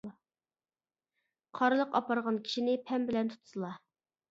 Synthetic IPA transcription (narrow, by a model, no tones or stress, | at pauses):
qʰɑɾɨlˠəqɑpɑɾʁɑnkʲʰi̥ʃinɪpʰɛmbɪlɛnt̪ʰu̥t̪ʰu̥sɨlˠɑ